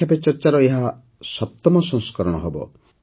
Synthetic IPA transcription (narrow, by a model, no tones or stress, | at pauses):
apet͡ʃɔɾt͡ʃaɾɔeɦa | sɔp̚t̪ɔmɔsɔ̃ŋskɔɾɔɽ̃ɔɦɔbɔ̰